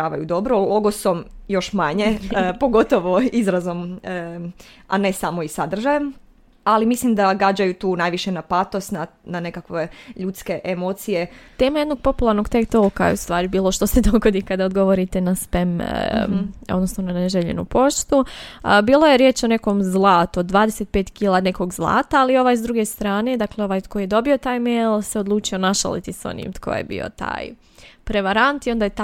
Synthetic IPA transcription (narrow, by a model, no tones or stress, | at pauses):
aːʋajud̪o̞bɾolˠoɡosomjo̞ʃmaɲepoɡot̪oʋoizɾazom | a̰nesamoisad̪r̩ʒajem | alimislimd̪aɡad͡ʒajut̪uːnajʋiʃenapat̪ost̪na | nanekakʋeʎut̪ske̞ʔemot̪sijet̪e̞ːmajed̪no̞ɡ̥̚po̞pulˠaɾnoɡt̪ekt̪olka̰jḛust̪ʋaːɾibiːlˠo̞ʃt̪osed̪oɡod̪ikad̪aod̪ɡo̞ʋoɾit̪enaspem | od̪nosnonaneʒeʎḛnṵpo̞ʃt̪ubiːlˠo̞jeɾjeːt͡ʃo̞ne̞ko̞mzlˠaːt̪ud̪ːʋaːd̪eset̪̚peːt̪kiːlˠaːne̞ko̞ɡzlˠa̰ːt̪aːlio̞ʋaːjzd̪ɾuɡe̞st̪ɾaːne̞d̪akleo̞ʋaːjkojije̞d̪o̞bio̞t̪aːjmejlˠseod̪lˠuːt͡ʃio̞naʃa̰lḭt̪iso̰nḭmt̪ko̰j̰jḛbḭo̰t̪a̰ːj | pɾeʋaɾant̪io̞nd̪aːjet̪